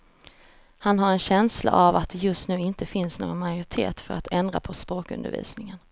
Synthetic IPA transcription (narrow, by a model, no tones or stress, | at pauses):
hanɦaɾɛnɕɛnsla̰ʔavat̪̚d̪ɛjɵst̪nʉ̟ːɪnt̪əfɪnsno̰ːɡənmajʊɾɪt̪ʰḛːt̪fœɾa̰t̪ʰɛnd̪ɾa̰pʰɔspɾoːkɵ̰nd̪ə̰ɾvḭːsnɪŋən